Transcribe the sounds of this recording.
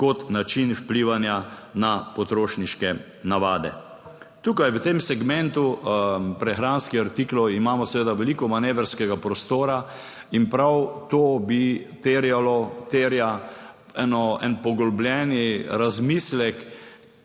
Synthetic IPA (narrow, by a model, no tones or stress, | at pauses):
kɔt̪nat͡ʃinwpliʋanjanapɔt̪ɾoːʃniʃkɛ | naʋaːd̪ɛ̰ | t̪uːkajwət̪emsɛɡmɛ̃nt̪upɾɛxɾanskiaɾt̪iklɔimaːmɔsɛʋeːd̪aʋɛlikɔmaneːʋɾskɛɡapɾɔst̪oːɾa | inpɾawt̪oːbit̪eːɾjalɔt̪eːɾja | ɛnɔɛ̰npɔɡɔlɔblʲjɛniɾazmislɛk